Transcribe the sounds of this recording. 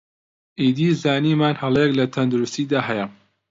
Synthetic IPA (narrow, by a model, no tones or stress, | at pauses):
ʔiːd̪iːzaːniːmaːnhɐlˠɛjɛklɐt̪ʰɐnd̪uɾust̪iːd̪aːɦɛjɐ